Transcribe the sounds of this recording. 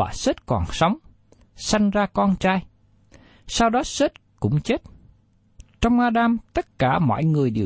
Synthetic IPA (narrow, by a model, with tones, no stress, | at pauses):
a̰ː˨˩se˦˥t̚kɔ̰˨˩nsa˨˦wŋ͡m | sa˧jŋ̟zaː˧kɔ˧nt͡ɕaː˧j | saː˧wɗɔ˨˦se˦˥t̚kʊ̰˧˥ŋ͡mt͡ɕe˦˥t̚ | t͡ɕɔ˧wŋ͡mʔaː˧ɗaː˧mt̪ə˦˥t̚kaː˧˩mɔ̰˧˨jŋɨ˨˩əjɗi˨˩